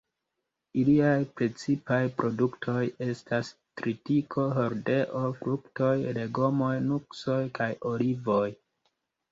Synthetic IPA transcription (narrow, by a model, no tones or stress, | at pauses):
iliajpɾe̞t͡sipajpɾo̞duktʰo̞je̞stas | tɾitikʰo̞ɦo̞ɾde̞ʔo̞fɾukto̞jle̞ɡo̞mo̞jnukso̞jkajo̞livo̞j